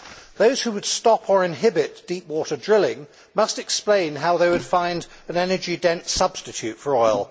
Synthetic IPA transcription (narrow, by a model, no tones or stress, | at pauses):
ðoʊz̥hʉwəd̥stɑpʰə˞ɨ̃nɦɪbɪtd̥ipwɔˑɾə˞dɹɪlˠɪ̃ŋ | mʌstɨksplẽɪ̃nɦaʊðeɪwɨd̥fãɪ̃nd | ɨ̃nɛnə˞d͡ʒidɛ̃nsʌb̥stɨtʰʉtfə˞ɔɪlˠ